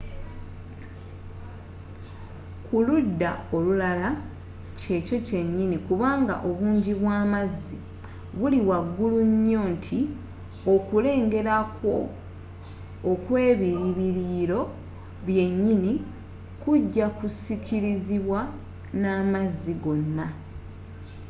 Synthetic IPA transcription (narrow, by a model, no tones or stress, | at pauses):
kʰuludːao̞lulala | ce̞co̞ce̞ɲːinikuβaːŋɡa̰ʔo̞βuːɲɟiβwaːmazːi | βuliwaɡːuluɲːo̞ːntʰi | o̞kule̞ːŋɡe̞ɾakwo̞̰ | kwe̞ːβiiβiɾiːɾo̞ | βje̞ɲːini | kuɟːakusikʰiɾiziβwa | naːmazːiɡo̞nːa